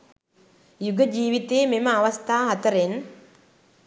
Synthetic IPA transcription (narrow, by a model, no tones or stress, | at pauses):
juɡəd͡ʒiːʋit̪eːmeməaʋɐst̪ʰaːɦɐt̪əɾen